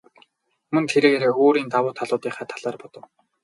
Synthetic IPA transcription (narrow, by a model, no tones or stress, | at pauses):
mɵ̆nt̪ʰeɾeːɣeɾeːoːɾiːnt̪awʊːt̪ʰaɮʊːt̪iːχæːt̪ʰaɮaːrpɔt̪ɞ̆w